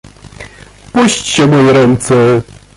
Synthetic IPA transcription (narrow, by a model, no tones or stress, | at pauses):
puɕt͡ɕɕɛmɔjɛɾɛnt̪sɛ